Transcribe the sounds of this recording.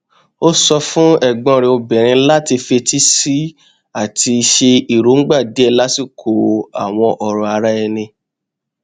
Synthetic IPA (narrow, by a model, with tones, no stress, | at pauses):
o˦sɔ˧fũ˦ɛ˦˨ɡ͡bɔ̃˧ɾĩ˨o˧bɛ̃˨ɾ̃ĩ˧la˦ti˧fe˧ti˦si˦ | a˦˨tʰi˧ʃe˧i˨ɾo˨˦ŋ̩˦ɡ͡ba˦˨di˨˦ɛ˦˧˨la˦si˦˨kʰo˨a̰˨w̃ɔ̃˧ʔɔ˨ɾɔ̃˨a˧ɾa˦ɛ˧nĩ˧